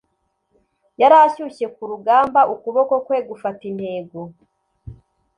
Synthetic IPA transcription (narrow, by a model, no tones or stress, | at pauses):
jaɾaçuce̞kuɾuɡaːmbaʔukuβo̞ko̞kwe̞ːɡufatin̥he̞ːɡo